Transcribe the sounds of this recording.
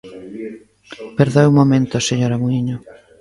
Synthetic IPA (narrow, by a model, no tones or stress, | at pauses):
peɾðaɛumomẽnt̪oaseɲoɾamuiɲo